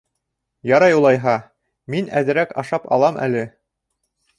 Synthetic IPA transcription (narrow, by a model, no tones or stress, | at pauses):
jɑɾɑjulˠɑjɦɑ | minæðɘ̆ɾækɑʃɑpɑ̰lˠɑmʔæ̰lɘ